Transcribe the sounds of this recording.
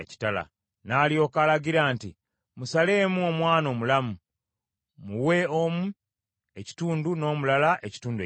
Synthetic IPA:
ci̥tala̰ | naːlio̞ːkalaɟiɾaːnti | musale̞ːmuo̞mwaːno̞ːmulamu | muwe̞omu | e̞ci̥tuːnduno̞ːmulalaʔe̞ci̥tuːnde

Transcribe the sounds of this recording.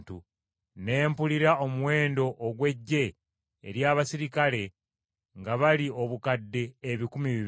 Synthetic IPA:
tu | ne̞ːmpuliɾao̞muwe̞ːndo̞ʔːɡwe̞ɟːe̞̰ː | ɾjaːβasiɾikale̞ | ŋɡaβalio̞βukadːe̞ːβikumiβi

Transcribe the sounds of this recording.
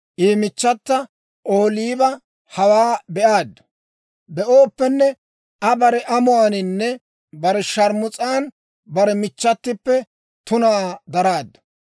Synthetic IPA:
ʔiːmɪt͡ʃːɐt̪ːɐ | ʔoːliːbɐ | hɐwaːbɛʔaːd̪ːɐ̥ | bɛʔoːpːɛnːɛ | ɐbɐɾɛʔɐmʊɐnɪnːɛ | bɐɾɛʃɐɾmʊt͡sʼaːn | bɐɾɛmɪt͡ʃːɐt̪ːɪpːɛ | t̪ʊnaːd̪ɐɾaːd̪ːɐ̥

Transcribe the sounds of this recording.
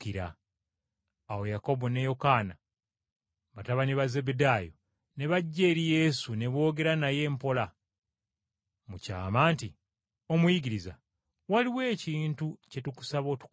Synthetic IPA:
kiɾa̰ | wo̞jako̞bo̞ne̞jo̞kaːna̰ | βataβaneβaze̞bedaːjo | ne̞βaɟːe̞ːɾije̞sune̞βo̞ːɡe̞ɾanaje̞ːmpo̞la | muca̰ːmaːnti | o̞mujiɡiɾiza̰ | waliwe̞ːciːntuce̞tuku̥saβo̞ːtu̥k

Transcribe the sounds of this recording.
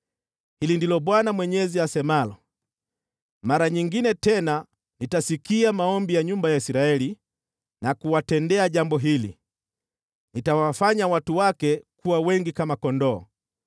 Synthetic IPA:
hilindilɔɓwanamwɛɲɛziasɛmalɔ | maɾaɲiŋɡinɛtɛna | nitasikiamaɔmbijaɲumbajaisiɾaɛli | nakuwatɛndɛaʄambɔɦilḭ | nitawafaɲawatuwakɛkuwawɛŋɡikamakɔndɔ̰ː

